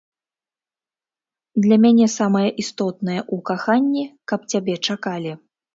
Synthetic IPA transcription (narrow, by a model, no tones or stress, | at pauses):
d̪lʲamʲanʲɛsamɐjɐʔist̪ɔt̪̚nɐjɐʔukaxanʲːikɐp̚t͡sʲabʲɛt͡ʂakalʲi